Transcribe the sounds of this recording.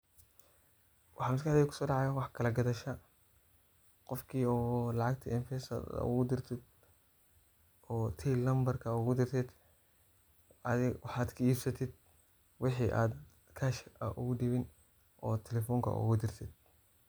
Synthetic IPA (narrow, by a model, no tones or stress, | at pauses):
wʔɑħɑːmɪs̬kaħd̪ɛjkʰʊ̥sɔːɖɑʕɑjɐwɑħkʰɐlɐɡɐðɐʃɐ | qɔfkʰiːɔːlɑʕɑɡ̚t̪ʰɐɪnfɛːsɐ̰d̪̰ʊ̰ɣʊd̪ɪrt̪ʰɪd̪ | ɔːt̪ʰɛlɐmbɐrkʰɐʊɣʊd̪ɪrt̪ʰɛd̪ | ʔɐðɪwɑħaːd̪kʰɐiːbsɐt̪ʰɪd̪̚ | wɪħiːʔaːd̪ | kʰɐːʃʔɐ̰ʔʊɣʊɖɪβɪn | ʔɔːt̪ʰɛlɛfɔːŋkʰɐ̰ʔʊ̰ɣʊd̪ɪrt̪ʰɪd̪̥̚